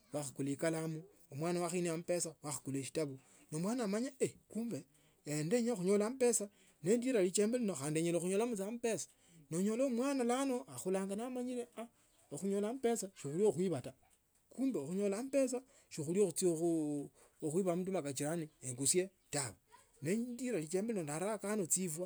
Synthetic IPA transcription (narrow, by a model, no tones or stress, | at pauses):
waxukulikalamu | omwaːnawaxineamupesawaxu̥kuleʃi̥taβu | nomwaːnamaɲaekuːmbeː | ndeɲoxuɲolampe̞sa | nendiɾalit͡ʃeːmbelinoxaːndieɲeloxuɲolamut͡samupesḁ | noɲolomwaːnalano̞axulaːŋɡanamaɲiɾea | oxuɲolamupe̞saʃixuljoxwiβata | kuːmbeoxuɲo̞lampe̞s̬a | ʃixulioxut͡siou | oxwiβamut̬umakat͡ʃiɾanieŋkusje | taβa | nediɾalit͡ʃeːmbelinondaɾakanot͡sifwa